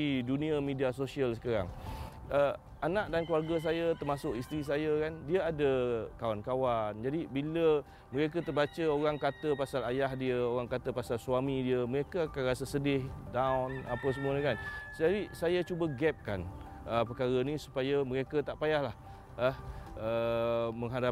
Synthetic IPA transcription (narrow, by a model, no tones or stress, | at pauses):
idunĩamidiasosiəlsə̥kaɾa̰ŋ | ə | anaʔdankluwarɡas̬ajat̪ərmasʊkist̪ɾis̬ajəkandiəadəkawankawand͡ʒadibilə | məɾek̬ət̪ərbat͡ʃəoɾaŋkat̪əpasalajaɦdiəoɾaŋkat̪əpasalsuamidiəməɾekəakanrasəsədɪhdawnapəsəmuəɲə̃kansədaɾisajat͡ʃubəɡɛp̚kan | əpəkaɾənĩsu̥pajəməɾekət̪aʔpajahlah | əhəməŋɦada